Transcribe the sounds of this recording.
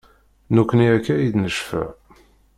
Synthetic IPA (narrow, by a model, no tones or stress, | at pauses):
nukʷːəniækːæjid̪nəʃfə̰ʕ